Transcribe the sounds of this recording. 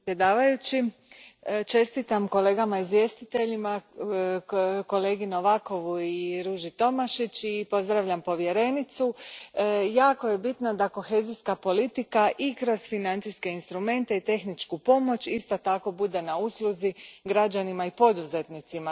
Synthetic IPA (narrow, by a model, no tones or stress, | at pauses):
ped̪aːʋajut͡ɕi | t͡ʃe̞st̪it̪amko̞le̞ːɡamaizʋje̞st̪it̪e̞ʎima | ko̞le̞ːɡinoʋako̞ʋuiɾuʒit̪o̞maʃit͡ɕipo̞zd̪ɾaʋʎampo̞ʋje̞ɾe̞nit̪su | jaːko̞je̞bit̪nad̪ako̞xe̞ːziskapo̞lit̪ikaʔikɾo̞zfinant̪siske̞inst̪ɾume̞nt̪e̞it̪e̞xnit͡ʃkupo̞mo̞t͡ɕist̪o̞t̪ako̞bud̪e̞nauslˠuziɡɾad͡ʒanimaipo̞d̪uze̞t̪nit̪sima